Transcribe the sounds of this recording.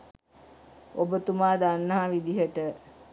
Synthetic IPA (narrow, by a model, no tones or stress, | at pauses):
obət̪umaːd̪anːəɦaʋid̪iɦəʈə